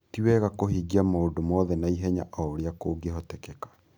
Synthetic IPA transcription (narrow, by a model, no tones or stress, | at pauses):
tiwɛɣakoɦiɡiamoondomɔðɛnaiɦɛɲa̰ʔɔoɾeakoːɡeɦɔtɛkɛkḁ